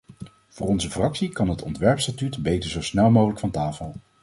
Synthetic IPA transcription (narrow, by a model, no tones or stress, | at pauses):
v̥ʊːrɔnzəfrɑksikɑnɦətɔ̰ntʋɛɹpstatytbejtəɹzowsnɛlˠmowχələkfɑntaːfəlˠ